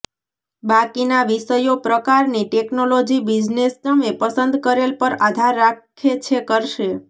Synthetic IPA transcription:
bakinaʋiʃəjopɾəkaɾniʈeknolod͡ʒibid͡ʒnest̪əmepəsənd̪kəɾelpəɾad̪ʱaɾːakʰːet͡ʃʰekəɾʃe

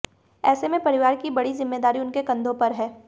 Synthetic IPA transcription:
ɛːsemẽpɐɾɪʋaːɾkibɐɽizɪmːeːd̪aːɾiʊnkekɐ̃nd̪ʱõpɐɾɦɛː

